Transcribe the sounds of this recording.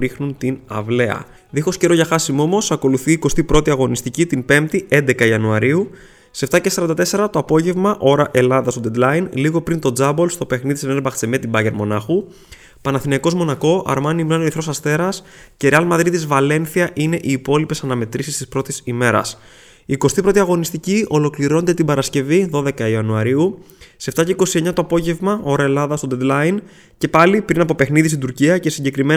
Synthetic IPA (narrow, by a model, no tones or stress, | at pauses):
ɾixnunt̪inɐ̰vle̞ɐ̰ | ðixo̞sce̞ɾo̞ʝɐxɐsimo̞mo̞sɐko̞luθiːko̞st̪ipɾo̞t̪iɐɣo̞nist̪icit̪impe̞mt̪ie̞nd̪e̞kɐiɐnuɐɾiu | seft̪ɐce̞sɐɾɐnd̪ɐt̪se̞ɾɐt̪o̞ɐpo̞ʝe̞vmɐʔo̞ɾɐʔe̞lɐðɐst̪od̪e̞d̪lɐinliɣo̞pɾint̪o̞d͡zɐbo̞lst̪o̞pe̞xniðisneɾbɐxt͡semet̪ibɐʝeɾmo̞nɐxu | pɐnɐθinɐiko̞zmo̞nɐko̞ʔɐ̰ɾmɐnimnɐnoiθɾo̞sɐst̪e̞ɾɐs | ceɾeɐlmɐðɾit̪izvɐle̞nθiɐʔine̞ʔiːpo̞lipe̞sɐnɐme̞t̪ɾisist̪ispɾo̞t̪isime̞ɾɐ̰s | iːko̞st̪ipɾo̞t̪iɐɣo̞nist̪icio̞lo̞kliɾo̞nd̪e̞t̪ibɐɾɐsce̞viðo̞ðe̞kɐiɐnuɐɾiu | seft̪ɐceiko̞sie̞ɲɐt̪o̞ɐpo̞ʝe̞vmɐoɾelɐðɐst̪o̞d̪e̞d̪lɐin | ce̞pɐlipɾinɐpo̞pe̞xniðist̪ind̪uɾciɐce̞siɲɟe̞kɾime